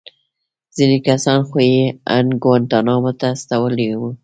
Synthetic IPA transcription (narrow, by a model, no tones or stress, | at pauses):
z̥inekasɑnxojea̰nɡwant̪ɑnɑmot̪ast̪awəlewu